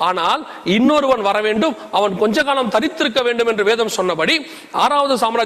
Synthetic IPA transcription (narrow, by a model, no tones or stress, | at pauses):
aːnaːl | ɪnːoːɾɯʋɐnʋɐɾɐʋeːɳɖɯm | ɐʋɐnkɔɲd͡ʒɐkaːlɐmt̪ɐɾɪt̪ːɪɾɯkːɐʋeːɳɖɯmɛndrɯʋeːðɐmsɔnːɐpɐɽi | a̰ːɾaːʋɐðɯsaːmɾaː